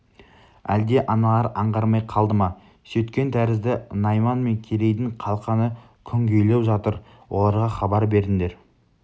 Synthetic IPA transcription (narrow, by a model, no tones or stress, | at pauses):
æld̪e̞ʔɑnɑlˠɑɾɑɴʁɑɾmɑjqʰɑlˠd̪əmɑ | sɵt̪kʲe̞nt̪ʰæɾɪzd̪ɪnɑjmɑnme̞ŋkʲʰeɾe̞jd̪ɪɴqʰɑlˠqɑnə | kʲʰʏŋɡʲejle̞wʒɑt̪əɾ | wo̞lˠɑɾʁɑχɑbɑɾbe̞ɾd̪ɪnd̪e̞ɾ